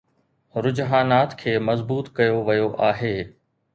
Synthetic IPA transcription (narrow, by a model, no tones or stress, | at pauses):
ɾʊd͡ʑɦaːnaːt̪kʰeːmɐzbuːt̪kɐjoʋɐjoʔaːɦeː